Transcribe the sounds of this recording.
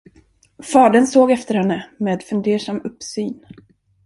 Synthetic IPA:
fɑːɖənsoːɡɛft̪əɾhɛnːəmeːd̪fɵnd̪eːʂamɵpːsyːn

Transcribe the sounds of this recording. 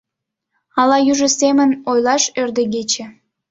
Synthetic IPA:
ɑlɑjyʒə̆semə̆nojlˠɑʃørd̪ə̆ɣet͡ɕĕ

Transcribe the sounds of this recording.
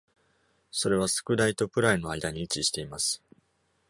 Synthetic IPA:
so̞ɾe̞β̞asɨ̥kɯ̟d̪ait̪o̞pɯ̟ɾaino̞aid̪aɲ̟iːt͡ɕiɕi̥t̪e̞imasɨ̥

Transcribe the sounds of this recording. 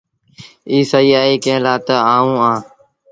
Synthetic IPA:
iːsaiːaːeːkẽːlaːt̪əãːũːãː

